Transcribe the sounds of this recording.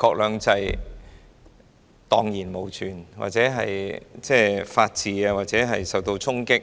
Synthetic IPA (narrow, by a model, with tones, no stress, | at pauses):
kʰɔː˧k̚lœː˨˧ŋt͡sɐ˧j | t̪ɔː˨˧ŋjiː˨˩nmo˨˩wt͡ʃʰyː˨˩nwa̰˨t̚t͡sɛː˨˥ɦɐ̰˨jt͡sɛː˥˧faː˧t̚t͡sʰiː˨˧aː˧waː˨t̚t͡sɛː˨˥ɦɐ˨jsɐ˨˩wt̪o˧wt͡sʰʊ˥ŋkɪ˥k̚